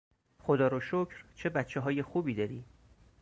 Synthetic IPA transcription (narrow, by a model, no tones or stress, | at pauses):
xod̪ɒːɾoʃocʰɾt͡ʃʰe̞bæt̪t͡ʃʰːeɦɒːjexuːbiːd̪ɒːɾiː